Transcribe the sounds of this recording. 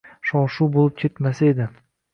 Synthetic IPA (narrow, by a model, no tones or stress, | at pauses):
ʃɒʃubolˠɪp̚kʲʰe̞t̪masaed̪ɪ